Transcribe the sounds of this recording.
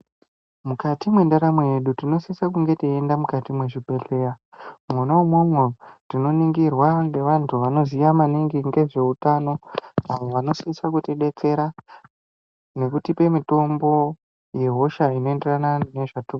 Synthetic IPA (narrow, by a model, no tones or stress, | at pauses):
mukatimwe̞ndaɾamwejeɗutino̞siisakuŋɡe̞tiendamukatimwe̞ʐibʱe̞ɬe̞ɾamwonoumwomorino̞niŋɡirwaŋɡe̞ʋantʰuʋano̞zijamaniŋɡiŋɡe̞ʐe̞utano̞aʋo̞ʋano̞siisakuteɗe̞t͡se̞ɾa | ne̞kutipe̞mito̞mbo̞ | je̞ɦo̞ʃaino̞e̞nderanane̞ʐatu